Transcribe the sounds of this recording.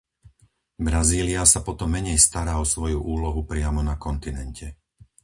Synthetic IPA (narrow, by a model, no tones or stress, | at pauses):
bɾaziːliasapɔt̪ɔmːɛɲɛjst̪aɾaːɔsʋɔjuʔuːlɔɦupɾɪamɔnakɔnt̪inɛncʰɛ